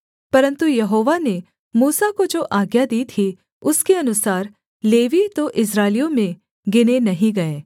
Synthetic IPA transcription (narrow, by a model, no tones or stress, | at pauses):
pɐɾə̃nt̪ujɐɦoːʋane | muːsakod͡ʒoːʔaːɡjad̪iːt̪ʰi | ʊskeɐnʊsaːɾ | leːʋit̪oʔɪs̬ɾaːlijõmẽ | ɡɪnenɐɦĩɡɐeː